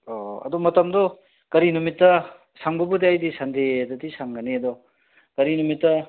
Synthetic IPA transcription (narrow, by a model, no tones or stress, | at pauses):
oɐ̰d̪ɔmɐtɐmdɔ | kɐɾinumitːɐ | saŋbɐbudeajdisandedɐtisaŋɡɐneɐd̪ɔ | kɐɾinumitːɐ